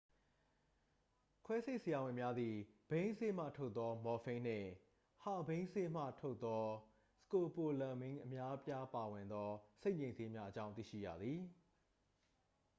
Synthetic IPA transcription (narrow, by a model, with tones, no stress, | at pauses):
kʰwɛ˦se˦˨ʔsəja˨wɪ̃˨mja˦d̪ði˨b̥ẽ˦ɪ̃nse˦m̥ä̰˦˨tʰo˦ʊt̪ːɔ˦mɔ˨fẽ˦n̥ɪ̰̃˦˨ | ha˦˨bẽ˦ɪ̃nse˦m̥ä̰˦˨tʰo˦ʊt̪ːɔ˦ | sə̥ko˨po˨lã˨mɪ̃˦ŋʔə˨mja˦pja˦pa˨wɪ̃˨nd̪ɔ˦se˦ɪʔmɲẽ˨nze˦mja˦ʔət͡ɕã˦ʊ̃nt̪ḭ˦˨ʃḭ˦˨ja̰˦˨d̪ði˨